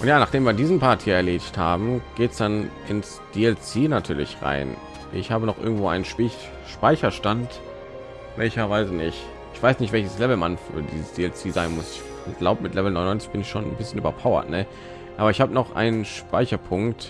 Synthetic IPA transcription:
ʔʊntjaːnaːχd̥eːmviːɐdiːzn̩pʰaɐthiːɐɛɐleːdɪçtha̰ːbm̩ɡ̥eːtsd̥anʔɪns | d̥iːɛlt͡seːnatʰyːɐlɪ̰çʁa̰ɪn | ʔɪ̰çhaːbənɔχʔɪ̰ɐɡŋ̩tv̥oːʔa̰ɪnənʃɪ | ʃpaɪçɐʃtant | vɛlçɐvaɪzənɪçt | ɪçv̥aɪsnɪçtvɛlçəslɛvl̩manfy̰ːɐdiːzəsd̥iːɛlt͡siːzaɪnmʊsɪ | ɡ̥laʊbəmɪtlɛvl̩nɔ̃ʏnɔʏnt͡sɪçb̥ɪnɪçʃoːnnbɪsçənʔyːbɐpʰaʊɐ̰tnə | ʔaːbɐɪçhaːbənɔχʔa̰ɪnənʃpaɪçɐpʰʊŋkt

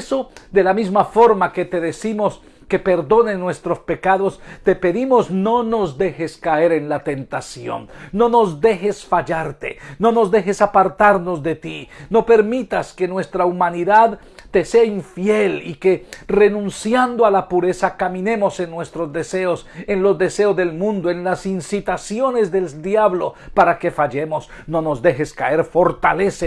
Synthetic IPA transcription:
so̞d̪e̞lamizmafo̞ɾmake̞t̪e̞ðesimo̞s | ke̞pe̞ɾðo̞nenːwe̞st̪ɾo̞spe̞kaðo̞st̪e̞pe̞ðimo̞sno̞no̞zd̪e̞xe̞skae̞ɾe̞nlat̪e̞nt̪asjo̞̰nːo̞no̞zd̪e̞xe̞sfaʝaɾt̪e̞̰no̞no̞zd̪e̞xe̞sapaɾt̪aɾno̞zd̪e̞t̪ino̞pe̞ɾmit̪aske̞nwe̞st̪ɾaumaniðað | t̪ːe̞se̞aiɱfje̞like̞re̞nũnsjand̪oalapuɾe̞sakamĩne̞mo̞se̞nːwe̞st̪ɾo̞zd̪e̞se̞osenlo̞zd̪e̞se̞ozðe̞lmũnd̪oenlasinsit̪asjo̞ne̞zðe̞ld̪jaβlo̞paɾake̞faʝe̞mo̞s | no̞no̞zd̪e̞xe̞skae̞ɾfo̞ɾt̪a̰le̞se

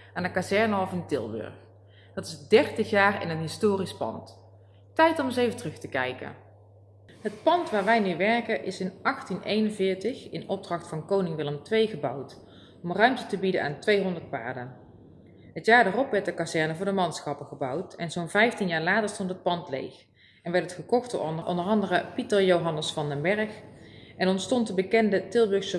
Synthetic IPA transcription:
aːndəkazɛɹnəɔfɪntɪ̰lˠbɵ̰ɹx | d̥ɑtɪzdɛrtəxjaːrɪ̰nɦətɦɪstoːrispɑ̰nt | tɛjtɔməsejvətrɵχtəkɛjkə̰ | ɦət̚pɑntʋaːɹʋɛjnyʋɛɹkəʔɪsɪnʔɑχtinejnənvɪːɹtəχɪnɔb̚drɑχtfɑnkownɪŋʋɪləmtʋejɣəbʌwt | ɔmrœɥmtətəbidəna̰ːntʋejɦɔndəɹt̚pa̰ːɹdən | ɦətjaːɹdaːrɔpʋɛɹtdəkazɛɹnəvʊːɹdəmɑntsxɑpəχəbʌwtɛnzownvɛjftinjaːɹlaːtəɹstɔntɦət̚pɑntlḛjx | ɛnʋɛɹtətχəkɔχtd̥ʊ̰ːɹɔ̰nəʔɔ̰ndəɹɑndərəpitəɹjowɦɑnəsfɑndəmbɛɹxʔɛnɔntstɔntdəbəkɛndətɪlˠbɵɹsə

